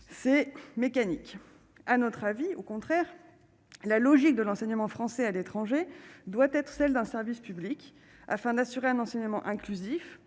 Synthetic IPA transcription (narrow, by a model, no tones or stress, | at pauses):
sɛmekanik | anɔt̪χaviokɔ̃t̪χɛʁ | lalɔʒik̚d̪əlɑ̃sɛɲəmɑ̃fχɑ̃sɛalet̪χɑ̃ʒed̪wat̪ɛt̪χsɛld̪ɛ̃sɛʁvispyblik | a̰fɛ̃d̪asyʁeɛ̃nɑ̃sɛɲəmɑ̃ʔɛ̃klyzif